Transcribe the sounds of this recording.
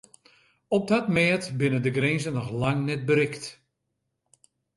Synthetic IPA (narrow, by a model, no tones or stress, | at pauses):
ɔp̚datmɛːətbɪnəndəɡrenzənɔxlaŋnɛt̚bəɾɪkt